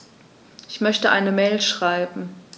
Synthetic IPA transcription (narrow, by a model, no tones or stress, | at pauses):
ʔɪçmœçtəʔa̰ɪnəmeːlʃʁ̥aɪbm̩